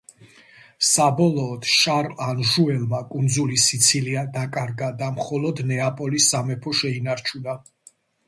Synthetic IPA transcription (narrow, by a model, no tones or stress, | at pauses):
sabɔlˠɔːd̪̥ʃaɾanʒuɛlmakʼund̪zulisit̪sʰiliad̪akʼaɾɡad̪amχɔlɔd̪nɛapʼɔlisːamɛpʰɔʃɛinaɾt͡ʃʰuna